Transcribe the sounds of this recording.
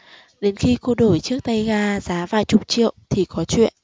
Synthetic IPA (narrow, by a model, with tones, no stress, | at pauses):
ɗe˨˦nxi˧ko˧ɗo˧˩jt͡ɕɨ˦˥ək̚t̪a˧jɣaː˧zaː˨˦vaː˨˩jt͡ɕʊ˨˩k͡p̚t͡ɕḭ˧˨əwt̪ʰi˨˩kɔ˨˦t͡ɕwḭ˧˨ənʔ